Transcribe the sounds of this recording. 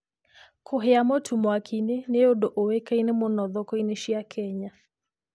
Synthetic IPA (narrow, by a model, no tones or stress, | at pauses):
kʰoɦɛamɔtʰumwakʰineneodɔʔowekainemonɔðɔkɔiniʃiakʰɛɲa